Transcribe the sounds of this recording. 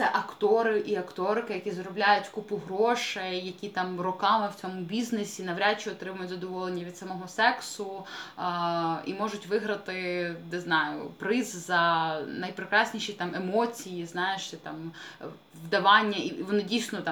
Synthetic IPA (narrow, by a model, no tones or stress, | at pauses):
t̪sɛʔɐkt̪ɔɾɪʔiɐkt̪ɔrkɪjɐkʲizɾɔblʲajʊtʲkupʊɦɾɔʃɛjjɐkʲit̪ɑmrɔkɑmɪwt͡sʲɔmʊbʲiznesʲinɐʋɾʲat͡ʃːiɔt̪ɾɪmɐɐjʊtʲzɐd̪ɔʋɔlˠenʲːɐʋʲid̪sɐmɔɦɔsɛksʊ | ḭmɔʒʊtʲʋɪɦɾɐt̪ɪnɪznɑjʊ̰pɾɪzzɐnɐjpɾɪkɾɑsʲnʲiʃit̪ɑmemɔt͡sʲijiznɑjeʃt̪ɛt̪ɑ̰m | ʋd̪ɐʋɑnʲːɐiʋɔnɪdʲijsnɔt̪